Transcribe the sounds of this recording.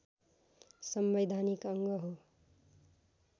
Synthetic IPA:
sʌmbed̪ʱanikʌŋɡʌɦo

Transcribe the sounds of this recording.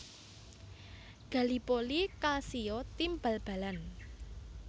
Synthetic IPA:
ɡ̥a̤lipolikalsiot̪imbalb̥a̤lan

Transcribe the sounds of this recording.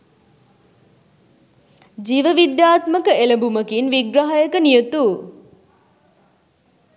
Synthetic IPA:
d͡ʒiʋəʋid̪jaːt̪məkəeləbuməkinʋiɡɾɐɦajəkənijot̪u

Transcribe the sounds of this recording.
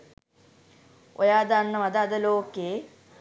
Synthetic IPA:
ojaːd̪anːəʋad̪əad̪əloːkeː

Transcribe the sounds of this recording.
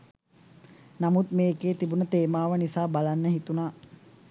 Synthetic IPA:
namut̪meːkeːt̪ibunət̪eːmaːʋənisaːbalanːəɦit̪unaː

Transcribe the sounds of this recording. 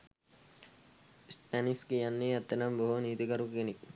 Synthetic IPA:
spaniskijɐnːeɐt̪ːɐnɐmboɦuniːt̪ikɐɾukenik̚

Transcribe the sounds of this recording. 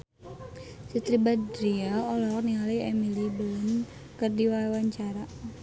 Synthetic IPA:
sit̪ɾibadɾiaolɔniŋaliɛmilibələn | kərdiwawaɲt͡ʃaɾa

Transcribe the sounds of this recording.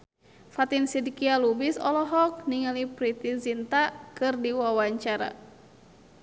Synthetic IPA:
fat̪insidikialubisɔ̰lɔɦɔk̚niŋalipɾit̪izint̪akɨrdiwawaɲt͡ʃaɾa̰

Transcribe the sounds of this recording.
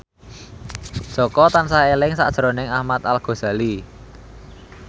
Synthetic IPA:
ʒ̥ɔkɔt̪ansaelɪŋsa̰ʔd̥ʒ̥əɾonɪŋahmat̪alɡ̥o̤z̥a̤li

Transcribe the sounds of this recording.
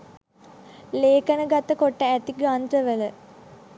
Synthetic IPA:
leːkənəɡat̪əkoʈːəæt̪iɡɾand̪ɾəʋələ

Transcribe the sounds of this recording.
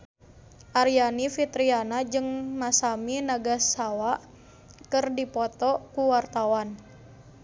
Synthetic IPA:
ʔaɾijanifit̪ɾianad͡ʒɨŋmasaminaɡasːawaʔ | kɨrdipɔt̪ɔkuwart̪awan

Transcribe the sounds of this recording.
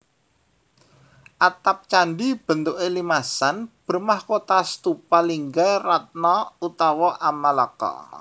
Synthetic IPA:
ʔat̪ap̚t͡ʃanɖib̥ə̤nt̪uʔelimasanb̥ə̤rmahkot̪ast̪upaliŋɡarat̪̚nɔut̪ɔwɔʔamaləkɔ̰

